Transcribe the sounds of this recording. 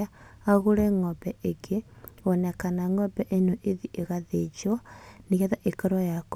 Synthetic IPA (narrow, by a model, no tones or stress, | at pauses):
aaɣuɾeŋɔbɛʔeɡeonɛkanaŋɔbɛʔenoʔeðiʔeɣaðed͡ʒwaniɣɛðaʔekaɾwajak